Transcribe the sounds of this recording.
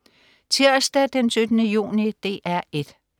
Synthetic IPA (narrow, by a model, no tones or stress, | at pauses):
t͡sʰeɐsd̥æd̥ensød̥ənəjṵːnid̥e̝̰ːʔæɐ̰e̝d̥